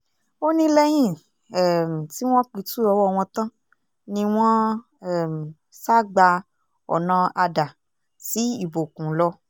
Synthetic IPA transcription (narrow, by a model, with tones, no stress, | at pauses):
o˦nĩ˦lɛ˦j̃ĩ˦˨ | ɛ˦˨m˨ti˦w̃ɔ̃˦k͡pi˧˦tu˦ɔ˧wɔ˦˧w̃ɔ̃˧tã˦ | nĩ˧w̃ɔ̃˦ | ɛ˦˨m̩˨ | sa˦˨ɡ͡ba˧ | ɔ̰˨nã˨˧a˧da˨ | si˨˦i˦˨bo˨kũ˨˦lɔ˧